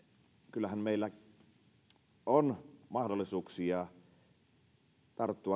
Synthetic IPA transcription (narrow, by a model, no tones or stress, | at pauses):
kylːæhæmmeˑilːæ | onmɑhdolːˑisuːksiɑ | t̪ɑrt̪ːuɑ